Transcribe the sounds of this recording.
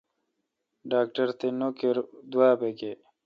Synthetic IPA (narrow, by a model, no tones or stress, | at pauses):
ɖaːkʈəɾt̪enokeɾd̪waːbeke